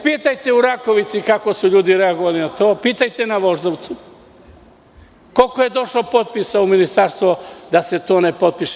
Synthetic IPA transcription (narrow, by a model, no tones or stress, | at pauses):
piːt̪ajt̪euɾako̞ʋit̪sikako̞suʎuːd̪iɾeaɡoʋalinat̪o̞ːpiːt̪ajt̪enaʋo̞ʒd̪oʋt̪su | ko̞lkojed̪o̞ʃlopot̪̚pisauminist̪aɾst̪ʋod̪ase̞t̪o̞ːnepo̞t̪̚piʃe